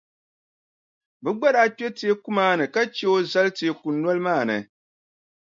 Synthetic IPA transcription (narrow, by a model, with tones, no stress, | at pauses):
bɨ˦ɡ͡ba˦ɾa˦k͡pɛ˦ti˦e˦ku˦maː˦nɨ˨ka˦t͡ʃɛ˦o˦za˦lte˨e˨ku˨nːɔ˦lmaː˦˨nɨ̰˨